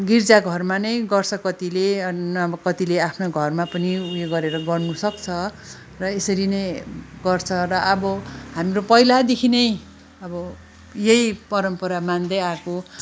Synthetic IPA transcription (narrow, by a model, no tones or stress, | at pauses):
ɡird͡zaɡʱʌrmanʌjɡʌrt͡sʰʌkʌt̪ilenʌkʌt̪ileapʰnoɡʱʌrmapʌniujeɡʌɾeɾʌɡʌrnusʌkt͡sʰʌ | rʌesʌɾinʌjɡʌrt͡sʰʌrʌʔːbʌɦamropʌjlad̪ekʰinʌj | ʌbʌ | jejpʌɾʌmpʌɾamand̪ʌjako